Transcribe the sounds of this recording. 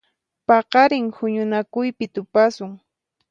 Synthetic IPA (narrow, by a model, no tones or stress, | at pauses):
pɑqɑɾɪŋhʊɲʊnakʊjpɪt̪ʊpasʊŋ